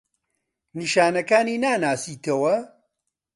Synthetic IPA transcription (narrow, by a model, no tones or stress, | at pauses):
niʃaːnɐkaːniːnaːnaːsiːt̪ɐwɐ